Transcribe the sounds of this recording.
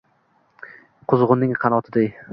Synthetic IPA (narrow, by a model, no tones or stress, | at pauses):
qʰʊzʁʊnːɪŋqʰɑnɒt̪ʰɪd̪ej